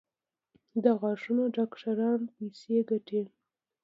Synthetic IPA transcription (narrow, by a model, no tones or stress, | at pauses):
d̪aɣɑʂunoɖɑkʂaɾɑnpejseɡaʈe